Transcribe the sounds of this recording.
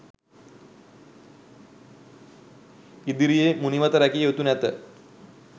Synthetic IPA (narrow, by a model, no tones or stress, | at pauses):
id̪iɾijemuniʋat̪əɾakiot̪unɛt̪ə